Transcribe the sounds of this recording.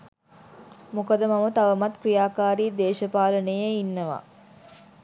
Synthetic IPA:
mukəd̪əmɐmət̪ɐʋəmat̪krijaːkaːɾiːd̪eːʃəpaːlənəjeinːəʋa̰

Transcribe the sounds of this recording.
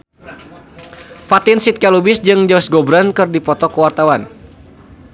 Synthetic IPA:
fat̪ɪnsit̪̚kɛlubɪsd͡ʒɨŋd͡ʒɔsɡɔbɾankɨrdipɔt̪ɔkəwart̪awan

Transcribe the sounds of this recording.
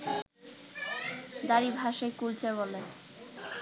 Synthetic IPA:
d̪aɾibʱaʃekult͡ɕʰeβole

